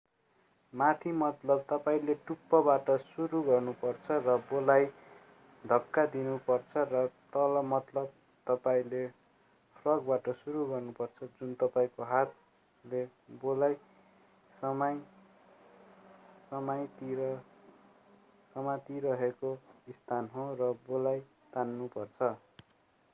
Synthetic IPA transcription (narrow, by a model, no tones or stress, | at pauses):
mat̪ʰimʌt̪lʌb̚t̪ʌpaĩleʈupːʌbaʈʌsuɾuɡʌrnupʌrt͡sʰʌrʌbolaj | d̪ʱʌkːad̪inupʌrt͡sʰʌrʌt̪ʌlʌmʌt̪lʌb̚ | t̪ʌpaĩle | pʰrʌɡbaʈʌsuɾuɡʌrnupʌrt͡sʰʌd͡zunt̪ʌpaĩkoɦat̪ | le | bolaj | sʌmaj | sʌmajt̪iɾʌ | sʌmat̪iɾʌɦekoist̪ʰanɦõrʌbolaj | t̪anːupʌrt͡sʰʌ